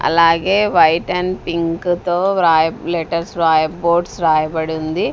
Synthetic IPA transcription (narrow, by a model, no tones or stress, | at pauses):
ɐ̰laːɡeːʋɐjʈɐnpiŋkkt̪oːɾaːjɐleʈɐɾsɾaːjɐboːɖsɾaːjɐbɐɽund̪i